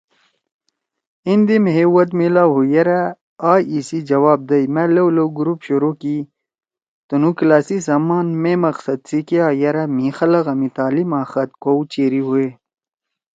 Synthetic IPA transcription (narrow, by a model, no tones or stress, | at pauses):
ind̪imeɦewɐt̪milaɦujɐɾa | aːisid͡ʑɐwaːb̚d̪ɐjmẽlɐwlowɡuɾupɕuɾoki | t̪unuklaːsisaːmaːnmemɐqsɐd̪̚sikiaːjɐɾɐmĩːxɐlɐɣɐmit̪aːlimaːxɐt̪̚kowt͡ɕeːɾiɦue